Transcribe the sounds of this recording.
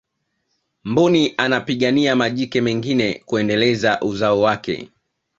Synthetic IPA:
mbuniʔanapiɠaniamaʄikɛmɛŋɡinɛkuɛndɛlɛzaʔuzaɔwakɛ̰

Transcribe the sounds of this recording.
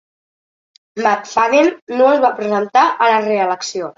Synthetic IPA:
mat̪faðennoəzβapɾəzənt̪aʔələreələksio

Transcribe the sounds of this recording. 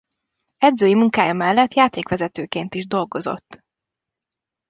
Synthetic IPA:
ɛd̪zøːjimuŋkaːjɒmɛlːɛt̪jaːt̪eːkʋɛzɛt̪øːkeːnt̪iʒd̪o̞lɡo̞zo̞̰t̪ː

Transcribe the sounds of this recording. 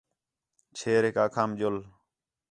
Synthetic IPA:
t͡ʃʰeːɾeːkaːkʰaːmd͡ʒol

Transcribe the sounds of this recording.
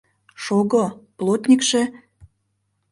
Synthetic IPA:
ʃoɣoplˠot̪ʲnʲikʃĕ

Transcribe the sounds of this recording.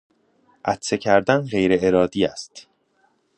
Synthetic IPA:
ʔæt̪se̞cʰæɾd̪ænɢe̞jɾe̞eɾɒːd̪iːæst̪

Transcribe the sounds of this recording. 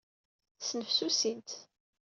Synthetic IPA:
snəfsusint̪

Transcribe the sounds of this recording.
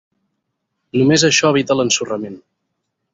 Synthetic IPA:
numezəʃɔəβ̞it̪ələnsurəmen

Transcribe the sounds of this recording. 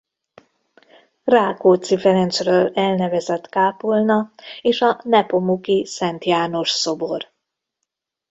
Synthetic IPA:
raːkoːt̪sifɛɾɛnsrøːlɛlnɛvɛzɛt̪kaːpulnɒeːʃɒnɛpo̞mukisɛnt̪jaːno̞ʃso̞bo̞r

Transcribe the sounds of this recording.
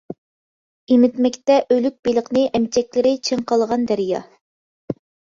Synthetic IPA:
imɪt̪mɪkʲt̪ɛʔølyk̚ʲbelˠəqnɨʔɛmt͡ʃʰɛkʲlɪɾɪt͡ʃʰeŋqɑlˠʁɑnd̪æɾjɑ̰

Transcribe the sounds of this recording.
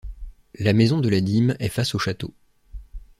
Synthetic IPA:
lamezɔ̃d̪əlad̪imɛfasoʃat̪o

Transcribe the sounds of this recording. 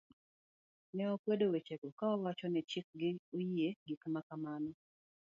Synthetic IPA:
nɛɔkwedowet͡ʃekokaɔwat͡ʃɔnɛt͡ʃɪk̚ɡɪojieɡikmakamanɔ

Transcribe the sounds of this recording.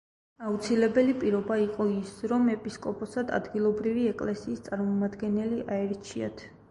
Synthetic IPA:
aut̪sʰilɛbɛlipʼiɾɔbaiqʼɔisɾɔmɛpʼiskʼɔpʼɔsad̪a̰d̪ɡilˠɔbɾiviɛkʼlɛsiːst̪sʼaɾmɔmad̪ɡɛnɛliʔaɛɾt͡ʃʰia̰t̪ʰ

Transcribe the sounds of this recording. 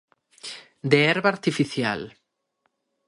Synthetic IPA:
d̪eɛɾβaɾt̪ifiθja̰l

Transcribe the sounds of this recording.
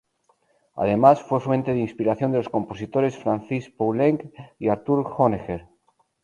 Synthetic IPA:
a̰ð̞e̞masfwe̞fwẽ̞nt̪eðinspiɾaθjond̪elosko̞mpo̞sit̪oɾe̞sfɾanθispowleŋkiaɾt̪uɾxonexeɾ

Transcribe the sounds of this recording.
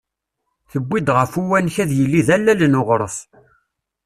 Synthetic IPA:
θəbʷːid̪ʁəfuwænçæðjəlːiðælːælnoʁɾˤəf

